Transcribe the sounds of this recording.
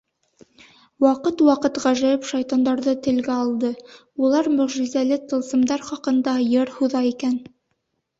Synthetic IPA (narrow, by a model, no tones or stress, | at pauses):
wɑqɤt̪wɑqɤ̆t̪ʁɑʒæjɘpʃɑjt̪ɑnd̪ɑɾðɤt̪ɘ̆lɡæɑlˠd̪ɤ | ulˠɑɾmɵ̆ʁʒizælɘt̪ɤ̆lˠsɤ̆md̪ɑɾχɑqɤ̆nd̪ɑjɤɾhuðɑikæn